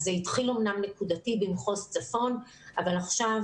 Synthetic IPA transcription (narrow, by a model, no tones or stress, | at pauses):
zeitχilo̞mnamnekudatibimχo̞st͡safo̞n | ʔavalaχʃav